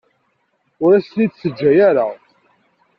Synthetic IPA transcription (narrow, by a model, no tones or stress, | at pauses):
ʊɾæsnid̪səd͡ʒːæjaɾa